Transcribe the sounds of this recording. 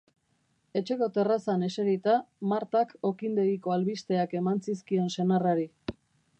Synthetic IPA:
e̞t͡ʃe̞ko̞t̪e̞rasane̞seɾit̪amaɾt̪ako̞kind̪e̞ɣiko̞alβist̪e̞ake̞mansiskie̞nse̞naraɾi

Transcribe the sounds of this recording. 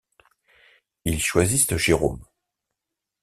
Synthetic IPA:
ilʃwazist̪əʒeʁo̰m

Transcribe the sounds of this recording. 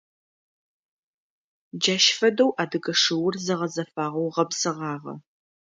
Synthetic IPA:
d͡ʒɐːʃfɐdɐwʔaːdɨɡɐʂɨwʊrzɨʁɐzɐfaːʁɐwʁɐbsɨʁɑːʁɐ̰

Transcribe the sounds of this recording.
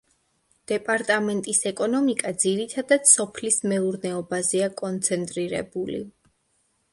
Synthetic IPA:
d̪̥ɛpʼaɾt̪ʼamɛnt̪ʼisɛkʼɔnɔmikʼad̪ziɾit̪ʰad̪ad̪sɔpʰlismɛuɾnɛɔbazɛakʼɔnt̪sʰɛnt̪ʼɾiɾɛ̰bulḭ

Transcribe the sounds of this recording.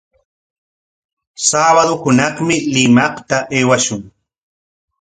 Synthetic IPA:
saːβaðʊhʊnɑχmɪlɪmɑχt̪aʔeːwaʃʊŋ

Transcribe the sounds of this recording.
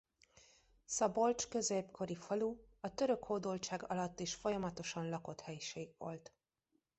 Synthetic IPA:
sɒbo̞lt͡ʃkø̞zeːpkʰo̞ɾifɒluɒt̪ø̞ɾø̞khoːd̪olt͡ʃaːɡɒ̰lɒt̪ːeːʃfo̞jɒmɒt̪o̞ʃɒnlɒko̞t̪hɛjiʃeːɡvo̞̰lt̪

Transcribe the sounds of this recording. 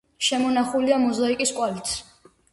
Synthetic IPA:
ʃɛmɔnaχuliamɔzaikʼiskʼwalit̪ʰ

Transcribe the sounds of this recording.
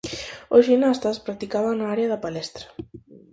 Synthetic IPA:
osʒinast̪ɐspɾak̚t̪ikaβaŋnaaɾeɐðɐpalɛst̪ɾɐ̥

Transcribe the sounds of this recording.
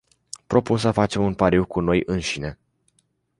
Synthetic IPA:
pɾo̞punsəfat͡ʃe̞munpaɾiwkuno̞jʔɨnʃine̞

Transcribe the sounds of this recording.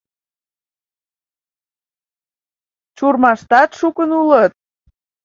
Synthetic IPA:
t͡ʃurmɑʃt̪ɑt̪ʃukənulət̪̚

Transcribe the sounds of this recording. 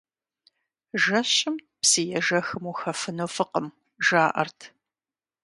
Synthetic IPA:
ʒɐɕɪm | psijɛʒɐxɨmuːxɐfɨnofɨqəm | ʒaːʔɐ̰rtʰ

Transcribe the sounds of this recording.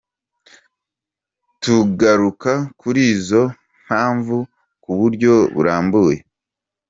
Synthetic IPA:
tuɡaɾukakuɾiːzo̞ | m̥haːɱvu | kuβuɾɟo̞βṵɾaːmbuːje

